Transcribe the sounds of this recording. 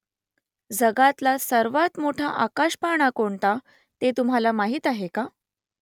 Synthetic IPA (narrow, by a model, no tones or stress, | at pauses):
d͡zəɡat̪lasəɾʋat̪moʈʰa̰ʔakaɕpaɳ̃akoɳt̪a | t̪et̪umɦalamaɦiːt̪aɦeka